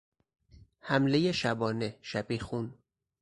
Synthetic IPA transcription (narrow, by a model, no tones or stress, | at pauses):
hæmlejeʃæbɒːne̞ʃæbiːxun